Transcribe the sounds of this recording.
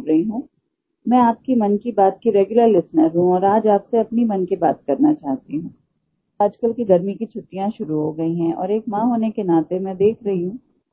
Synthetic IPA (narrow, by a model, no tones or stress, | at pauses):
ɾɐɦiɦũː | mɛ̃aːp̚kimɐnkibaːt̪̚kiɾeːɡjʊləɾlɪsnəɾɦũɔːɾaːd͡ʒaːpseɐpnimɐnkeba̰ːt̪̚kɐɾnat͡ʃaːɦt̪iɦũː | aːd͡ʒkəlkiɡɐɾmikit͡ʃʰʊʈːijãʃʊɾuɦoɡɐiɦɛ̃ʔɔ̰ːɾeːkmãːɦoːnekenaːt̪emɛ̃d̪eːkʰɾɐɦiɦũː